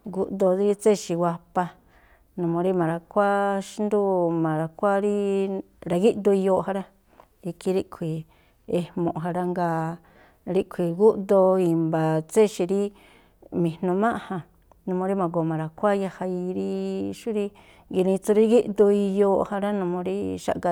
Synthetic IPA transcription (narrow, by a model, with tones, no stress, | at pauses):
ɡu˧ʔd̪o˧ði˧ɾi˧t͡se˦˨ʃi˧wʷa˧pa˧ | nũ˨mõ˧ɾi˦mã˨ɾa˧kʷa˦ʃi˦nd̪u˦mã˨ɾa˨kʷa˦ɾi˦ | ɾa˧ɣi˦ʔd̪u˧i˧jo˧ha˧ɾa˦ | i˧ki˧ɾi˦kʷʰi˨ | e˧mõ˨ʔɦa˧ɾa˧ŋɡa˧ | ɾi˦˧ʔkʷʰi˨ɡu˦ʔd̪o˧i˨mba˨t͡se˦ʃi˧ɾi˦ | mĩ˨nũ˧mã˦ʔhã˧ | nũ˧mõ˧ɾi˦mã˨ɡo˨mã˨ɾa˨kʷa˦ja˧ha˧i˧ɾi˦ʃu˦ɾi˦˧ | ŋɡi˧nĩ˧t͡su˧ɾi˦ɣi˦ʔd̪u˧i˧joː˧ha˧ɾa˦nũ˧mõ˧ɾi˦ʃa̰˨ʔka˧